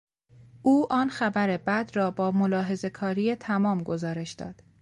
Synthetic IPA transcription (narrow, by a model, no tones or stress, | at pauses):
ʔuːʔɒːnxæbæɾe̞bæd̪rɒːbɒːmolɒːɦe̞ze̞kʰɒːɾijet̪ʰæmɒːmɡozɒːɾe̞ʃd̪̥ɒ̰ːd̪̥